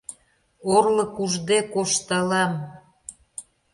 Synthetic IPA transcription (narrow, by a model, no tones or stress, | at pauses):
orlɤ̆kuʒd̪ekoʃt̪əlɑm